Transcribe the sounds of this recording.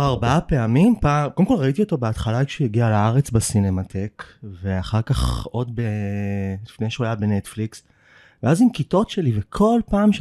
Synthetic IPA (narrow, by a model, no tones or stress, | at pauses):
aʁbaape̞amimpakolemko̞lʁaitio̞to̞beat̪χalakʃujeɡialaaʁet͡sbasinematʰe̞kve̞aχaʁkaχo̞dbelifne̞jʃeuajabe̞net̪fliks | veazimkito̞tʃelivekʰo̞lpaːmʃ